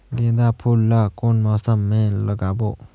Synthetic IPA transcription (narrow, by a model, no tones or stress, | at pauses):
ɡid̪apʰulːʌkonmɔsʌmːelʌɡabo